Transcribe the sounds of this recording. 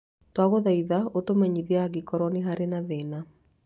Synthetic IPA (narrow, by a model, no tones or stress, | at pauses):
twaɣoðaiðaotomɛɲiðiaɣikɔɾɔniɦaɾenaðena